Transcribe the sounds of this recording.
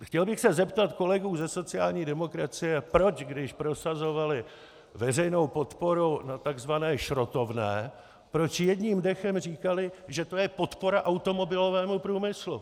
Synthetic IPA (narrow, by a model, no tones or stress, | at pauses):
xcɛlbɪxsɛzɛpt̪at̪ko̞lɛɡuːzɛso̞t͡sɪaːlɲiːdɛmo̞kɾat͡sɪjɛpɾo̞t͡ʃɡdɪʃpɾo̞sazo̞valɪ | vɛrɛjno̞wpo̞t̪po̞ɾunat̪aɡzvanɛːʃɾo̞t̪o̞vnɛ̰ː | pɾo̞t͡ʃjɛdɲiːmdɛxɛmriːkalɪʒɛt̪o̞jɛpo̞t̪po̞ɾaʔawt̪o̞mo̞bɪlo̞vɛːmupɾuːmɪslṵ